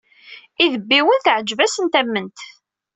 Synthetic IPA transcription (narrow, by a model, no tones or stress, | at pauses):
iðəbːiwənθʕəd͡ʒvæsənt̪æmːənt̪